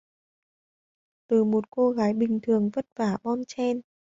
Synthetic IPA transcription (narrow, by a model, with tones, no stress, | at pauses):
t̪ɨ˨˩mo˨˩t̚ko˧ɣaː˨˦jɓï˨˩ŋ̟t̪ʰɨ˨˩əŋvə˦˥t̚vaː˧˩ɓɔ˧nt͡ɕɛ˧n